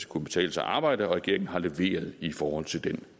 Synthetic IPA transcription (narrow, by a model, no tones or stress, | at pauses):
kʰunəb̥e̥t͡sʰɛ̰ːləsɑ̰ʔɑ̈ːb̥ɑ̈ɪ̰dəɒ̽ʁɛɡ̥e̝ɐ̰eŋn̩ɦɑ̈le̝ʋe̝̰ːɐð̞̩ˠifɒːhɒ̽l̰t͡sʰe̝ld̥en